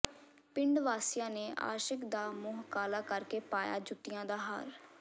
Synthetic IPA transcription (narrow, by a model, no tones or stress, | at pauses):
pɪɳɖʋaːsɪjãːneːʔa̰ːʃəkd̪aːmʊːɦkaːlaːkəɾkeːpaːja̰ːd͡ʒʊt̪ːɪjãːd̪aːɦa̰ːɾ